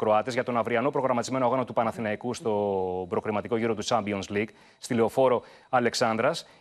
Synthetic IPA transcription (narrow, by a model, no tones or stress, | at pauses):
kɾo̞ɐt̪ezʝɐt̪o̞nɐvɾiɐno̞pɾo̞ɣɾɐmɐt̪izme̞noo̞ɣɐno̞t̪upɐnɐθinɐikust̪o̞bɾo̞xɾimɐt̪iko̞ʝiɾo̞t̪ut͡sɐmbio̞nsliɡ | st̪ile̞o̞fo̞ɾo̞ | ɐle̞ksɐnd̪ɾɐs